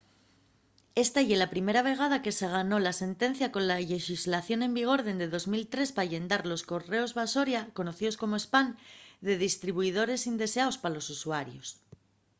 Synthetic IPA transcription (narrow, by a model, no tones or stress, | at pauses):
e̞st̪aʝe̞lapɾime̞ɾaβ̞e̞ɣ̞að̞ake̞se̞ɣ̞ano̞lase̞nt̪ẽ̞n̟θjako̞nlaʎe̞ʃizlaθjo̞nẽ̞mbiɣ̞o̞ɾðe̞nd̪e̞ðo̞zmilt̪ɾe̞spaʝe̞nd̪aɾlo̞sko̞re̞o̞zβaso̞ɾjako̞no̞θiðo̞sko̞moe̞spand̪e̞ðist̪ɾiβ̞uið̞o̞ɾe̞sind̪e̞seaospalo̞susuaɾjo̞̰s